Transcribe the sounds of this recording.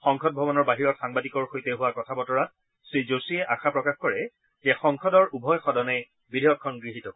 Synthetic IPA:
xɔŋkʰɔt̚bʱɔbɔnɔɹbaɦiɹɔxaŋbadikɔɹxojtɛɦʊwakɔtʰabɔtɔɹat̚ | sɹizosiɛʔaxʰapɹɔkaxkɔɹɛ | ɛxɔŋkʰɔdɔɹubʱɔjxɔdɔnɛ | bidʱejɔkʰːɔnɡɹiɦitɔ

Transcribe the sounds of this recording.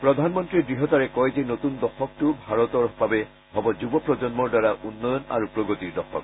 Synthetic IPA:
pɹɔd̪ʱanmɔntɹiɹdɹiɦɔtaɹɛkɔjzɛnotundɔxɔk̚tʊbʱaɹɔtɔɹbabɛ | ɦɔbɔzubɔpɹɔd͡ʒɔnmɔɹdwaɹaʔunːɔjɔna̰ɹupɹɔɡotiɹdɔxɔ̰k

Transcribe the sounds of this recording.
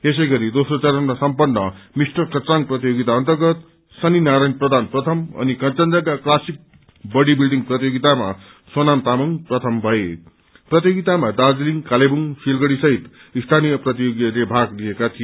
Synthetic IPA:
es̬ʌjɡʌɾid̪osrot͡sʌɾʌnrasʌmpʌnːʌmisʈʌkʌt͡saŋprʌt̪ijoɡit̪aʌnt̪ʌrɡʌt̪ | sʌninaɾajnprʌd̪ʱanprʌt̪ʰʌmʌ̰nikʌnt͡sʌnd͡zakaklasik̚ | bʌɽibilɖiŋprʌt̪ijoɡit̪ama̰ | sʌnamt̪amʌŋprʌt̪ʰʌmbʱʌe | prʌt̪̬joɡit̪amad̪ad͡zliŋkalebuŋsilɡʌɽisʌɦit̪ | ist̪ʰanijʌprʌt̪ijoɡjʌlebʱaɡliekat̪ʰij

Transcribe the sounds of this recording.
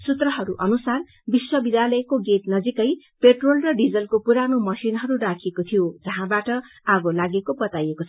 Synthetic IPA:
sut̪rʌɦʌɾuʔʌnusar | biswʌbid̪ʱjalʌekoɡet̪nʌd͡zikʌj | peʈrolrʌɖid͡zʌlkopuɾanomʌsinɦʌɾurakʰekot̪ʰijod͡zʌɦãbaʈʌ | aɡolaɡekobʌt̪ajekot͡sʰ

